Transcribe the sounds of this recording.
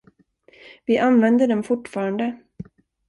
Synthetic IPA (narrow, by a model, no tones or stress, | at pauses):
vɪʔanvɛnd̪əɖɛmfʊʈːfɑːɾand̪ə